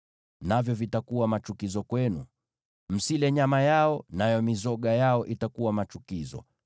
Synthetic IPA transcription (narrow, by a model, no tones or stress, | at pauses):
navjɔvitakuwamat͡ʃukizɔkwɛnu | m̩silɛɲamajaɔnajɔmizɔɠajaɔʔitakuwamat͡ʃukizɔ̰